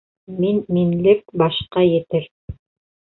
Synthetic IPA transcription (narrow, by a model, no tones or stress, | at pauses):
minminlɘk̚bɑʃqɑjɘ̆t̪ɘɾ